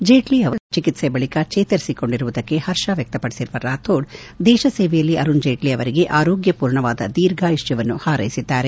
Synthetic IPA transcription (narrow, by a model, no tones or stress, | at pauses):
d͡ʒeːʈliɐʋɐt͡ʃikit̪sebɐɭikɐt͡ʃeːt̪ɐɾisiko̞ɳɖiɾuʋud̪ɐkːe̞hɐɾʂɐʋjɐk̚t̪ɐpɐɽisiɾuʋɐɾaːt̪ʰoːɖ | d̪ɛːʃɐseːʋɛjɐlːiʔɐɾund͡ʒeːʈliɐʋɐɾiɡe̞ʔaːɾo̞ːɡjɐpuːɾɳɐʋaːd̪ɐ̰d̪iːɾɡaːjiʂt͡ʃɐʋɐnːuhaːɾɐ̰jisid̪ːaːɾe